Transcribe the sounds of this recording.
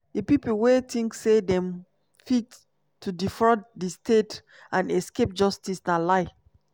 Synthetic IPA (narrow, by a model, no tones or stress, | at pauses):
depiplwetĩŋksedɛ̃m | fit | tʰːudifɹɔtdistʰet | ãnɛskep̚d͡ʒɔstisnalaɪ